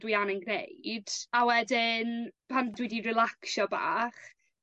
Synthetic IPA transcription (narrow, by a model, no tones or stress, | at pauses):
d̥wianənɡnḛjd̥awɛdɪnpʰandwidirɪlˠaksɔba̰ːχ